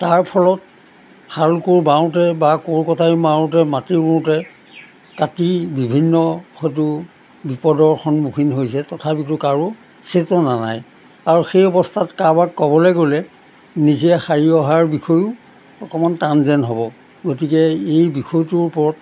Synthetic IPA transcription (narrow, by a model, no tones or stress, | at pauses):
taɹpʰɔlɔt̚ | xaɹukoɹbaw̃tɛbakoɹkɔtʰajmaʊ̃t̬ɛmatimutɛ | katibibʱinːɔxɔjtʊ | bipɔdɔɹxɔnbukʰinɦojsɛtɔtʰapit̬ʊkaɹu | setɔnana̰j | aɹuxejɔbɔstʰatkabakːɔbɔleɡolɛ | nizɛxaɹiɔɦaɹbixʰɔjʊ | ɔkɔmantanzɛnɦɔbɔ | ɡotikɛejbixɔjtʊɹpɔɹɔt̚